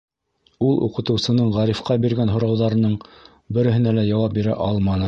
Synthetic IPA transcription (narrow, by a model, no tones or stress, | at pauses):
ulˠʔṵqɤ̆t̪ɤ̆wsɤ̆nɤɴʁɑɾifqɑbiɾɡænɦŏɾɑwðɑɾɤ̆nɤɴ | bɘ̆ɾɘ̆ɦɘ̆nælæjɑwɑp̚biɾæ̰ʔɑlˠmɑnɤ